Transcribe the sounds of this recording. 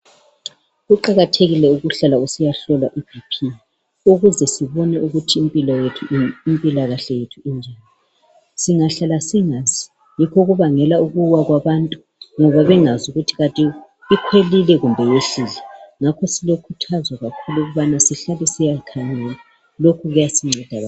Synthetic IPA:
ɣuǃaɣatʰeɣilɛuɣuɬalausijaɬɔlaʔibʱipʰi | uɣuzɛsiβɔnɛʔuɣutʰiːmpʼilɔjetʰuimpʼilaɣaɬɛjetʰuind͡ʒʱani | siŋaɬalasiŋazi | jikʰɔɣuβaŋɛlauɣuwaɣwaβantʼu | ŋɔβaβɛŋazuɣutʰi̥ɣatʼi | ikʰwelilɛɣumbʱɛjeɬiːlɛŋakʰɔsilokʰutʰazwaɣakʰuluuɣuβanasiɬalɛsijakʰaŋɛla | lokʰuɣujasiŋ͡ǀʱɛd̥ʱaa

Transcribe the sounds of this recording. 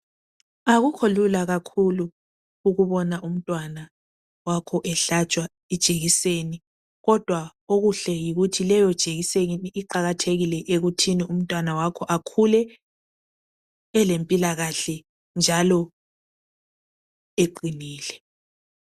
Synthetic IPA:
aɣukʰolulaɣakʰuluː | ɣuβɔnaʔum̩tʼwana | wakʰɔʔɛɬat͡ʃʼwa | id̥ʒ̥ʱeɣiseni | ɣɔd̥ʱwaoɣuɬɛjiɣutʰilɛjɔd̥ʒ̥ʱeɣiseɣiniʔiǃaɣatʰeɣilɛʔeɣutʰinium̩tʼwanawakʰɔʔakʰulɛ | lempʼilaɣaɬɛ | nd͡ʒʱalɔ | eǃiniːlɛ

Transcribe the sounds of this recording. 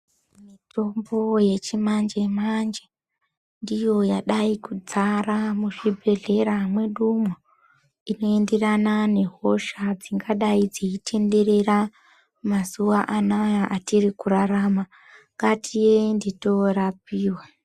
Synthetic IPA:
mito̞mbo̞je̞t͡ʃimand͡ʒe̞mand͡ʒe | ndijo̞jaɗaikud͡zaramuʐibʱe̞ɮe̞ɾamwe̞ɗumwo | ino̞e̞nde̞ranane̞ɦo̞ʃad͡ziŋɡaɗaid͡ziitʰe̞nde̞ɾe̞ra | mazuʋaʔanajaʔatirikuraɾama | ŋɡatʰijendito̞rap̚iːwa

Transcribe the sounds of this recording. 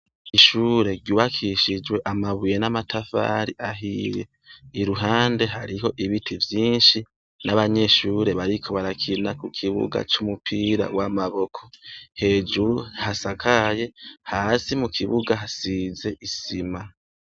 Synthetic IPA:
iʃuːɾe̞ɾɟuːβakʰiʃid͡ʒwe̞ʔamaβuje̞namatʰafa̰ːɾiʔaɦijḛ | iɾuɦaːnde̞ɦaɾiɦo̞ʔiβitʰivjiːnʃi | naβaɲe̞ʃuːɾe̞βaɾikʰo̞βaɾakʰinakukʰiβṵɡa̰t͡ʃumupʰiːɾa̰wamaβo̞kʰo̞he̞ːd͡ʒuɾuhasakʰaje̞haːsimukʰiβuɡaɦasize̞ʔisima

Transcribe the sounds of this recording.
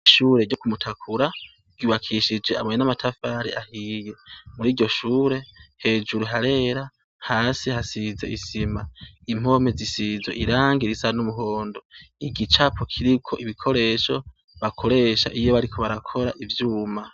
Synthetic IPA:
ʃuːɾe̞ɟokumutʰakʰuɾa | ɡ̥uːβakʰiʃid͡ʒe̞a̰mojenamatʰafaɾiʔahije̞muɾiːɾɟo̞ʃuːɾe̞he̞ːd͡ʒuɾuɦaɾe̞ɾa | haːsihasizeisimaim̥o̞mezisizo̰ʔiɾaːŋɡiɾisanumuɦo̞ːndo̞iɡit͡ʃapʰokʰiɾikʰo̞ʔiβikʰo̞ɾe̞ːʃo̞ | βakʰo̞ɾe̞ːʃa̰ʔijoβaɾikʰo̞βaɾakʰo̞ɾa̰ʔivjuːma

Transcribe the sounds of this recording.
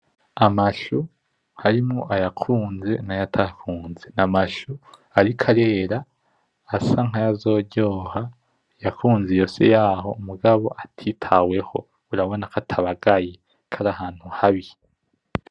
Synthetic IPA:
amaʃu | haɾimŋoʔajakʰuːnze̞̰najatʰakʰuːnze̞namaʃu | aɾikʰaɾe̞ːɾaː | saŋ̥ajazo̞ːɟoːha | jakuːnzejo̞ːse̞̰jaːɦo̞̰muɡaβo̞ʔatʰitʰawe̞ho̞̰ | uɾaβo̞nakatʰaβaɡaje | kʰaɾahaːn̥huhaβi

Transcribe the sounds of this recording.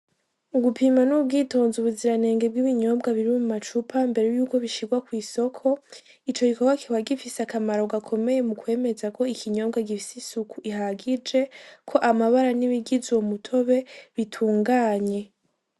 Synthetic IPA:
uɡupʰimanub̚ɡiːto̞ːnzuβuziɾane̞ːŋɡe̞b̚ɡiβiɲo̞ːbɡaβiɾimumat͡ʃupʰambe̞ɾejuːko̞βiʃiɡwakwiːso̞kʰo̞ | it͡ʃo̞ɡikoɡwakihwaɡifiseakamaɾoɡakʰo̞me̞je̞mukwe̞ːme̞zako̞ikʰiɲo̞ːbɡaɡifisisukuʔiɦaɡid͡ʒe̞kʰo̞ʔamaβaɾaniβiɡizomutʰo̞βe̞βitʰuːŋɡaːɲe̞

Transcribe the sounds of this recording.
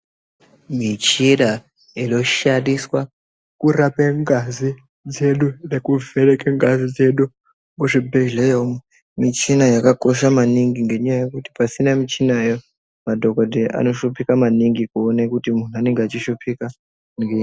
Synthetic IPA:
mit͡ʃiɗa | ino̞ʃandiswa | kurapeŋɡazi | d͡zeɗunekuveɾekeŋɡazid͡ze̞ɗu | muʐibʱelejom | mit͡ʃinajakako̞ʃamaniŋɡiŋɡe̞ɲajajekuti̥pasinamit͡ʃinajo | madʱokodʱeʔa̰no̞ʃupikamaniŋɡikuonekutimun̤uane̞ŋɡeat͡ʃiʃupʰika | ŋɡe

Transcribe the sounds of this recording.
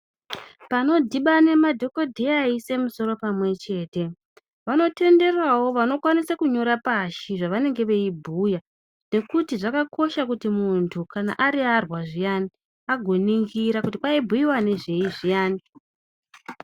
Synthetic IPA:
pano̞dʱiɓane̞madʱo̞ko̞dʱejaise̞muso̞ɾo̞pamwe̞t͡ʃe̞ːte̞ | ʋano̞te̞nde̞rawo̞ʋano̞kwanisakuɲo̞ɾapaʃiʐaʋane̞ŋɡe̞ʋe̞ibʱuja | ne̞kutiʐakakʰo̞ʃakutimuntʰukana̰ʔaɾiarwaʐijani | aɡʱoniŋɡiɾakutipwaibʱujiwane̞ʐe̞iʐijaːni

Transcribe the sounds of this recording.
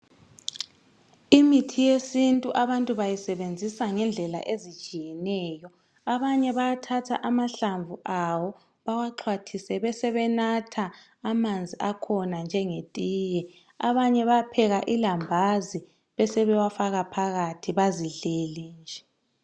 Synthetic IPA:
imitʰijesintʼuʔaβantʼuβajisɛβend͡zʱisaŋɛnd͡ɮʱɛla̰ʔezi̥t͡ʃʼijɛnɛːjɔ | aβaɲɛβajatʰatʰa̰ʔamaɬaɱvuʔawɔ | βawaǁʰwatʰisɛβɛsɛβɛnatʰaː | mand͡zʱiakʰɔnand͡ʒʱɛŋetʼiːjɛ | a̰βaɲɛβapʰɛɣaʔilambʱazi | βɛsɛβɛwafaɣapʰaɣatʰiβaziɮeliːnd͡ʒʱɛ

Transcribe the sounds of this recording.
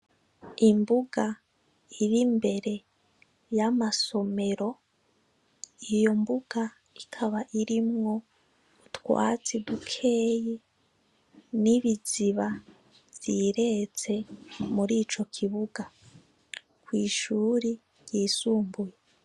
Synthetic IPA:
imbuɡa | iɾimbe̞ɾe̞ | jamaso̞me̞ɾo̞ | ijo̞mbuɡ̥a | ikʰaβaʔiɾimŋo̞ | utkwa̰ːt͡sidukʰe̞ːji | niβiziβa | z̥iɾe̞t͡se̞muɾiːt͡ʃo̞kʰiβuɡa | kwiːʃuɾi | jjiːsuːmbuje

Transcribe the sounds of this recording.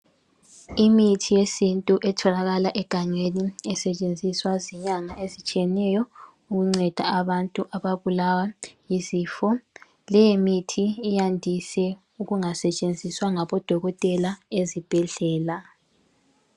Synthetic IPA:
imitʰijesintʼuʔɛtʰɔlaɣalaʔɛɡ̥ʱaŋ͡ǀweniɛsɛt͡ʃʼend͡zʱiswaziɲaŋaʔezit͡ʃʼiɛnɛjɔ | uɣuŋ͡ǀɛd̥ʱaaβantʼuʔaβaβulawajiziːfɔ | lɛjemitʰiːjandʱisɛ | uɣuŋasɛt͡ʃʼend͡zʱiswaŋaβɔd̥ʱɔɣɔtʼɛlaezib̥ʱɛɮɛːla

